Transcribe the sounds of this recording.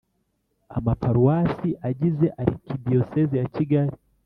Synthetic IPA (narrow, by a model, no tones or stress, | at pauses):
amapaɾuwasiʔaʄizɛʔaɾḭkiɗiɔsɛzijat͡ʃiɡaɾi